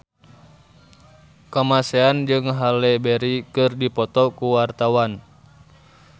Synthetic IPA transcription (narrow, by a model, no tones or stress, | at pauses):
kamasɛand͡ʒɨŋɦalɛbɛɾikɨrdipɔt̪ɔkuwart̪awan